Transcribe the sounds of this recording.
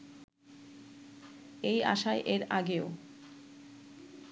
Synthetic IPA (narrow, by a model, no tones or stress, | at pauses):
eja̰ʃaeʔeɾaɡeo